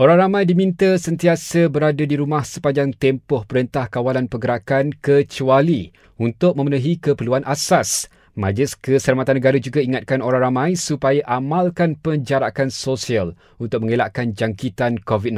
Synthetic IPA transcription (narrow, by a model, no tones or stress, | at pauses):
ʔoɾaŋɾamãjdimĩnt̪asənt̪iasəbəɾadadiɾumahsə̥paɲd͡ʒaŋt̪ɛmpʊhpəɾənt̪ahkawalanpəɡəɾakankət͡ʃuali | unt̪ʊk̚mə̃mənuɦikəpəluanʔasas | mãd͡ʒlɪskəsəlamat̪anːəɡaɾad͡ʒuɡaiŋat̪̚kanoɾaŋɾamãjsupajaʔamalkanpəɲd͡ʒaɾakansosial | unt̪ʊk̚mə̃ŋelaʔkand͡ʒaŋkit̪ankovidn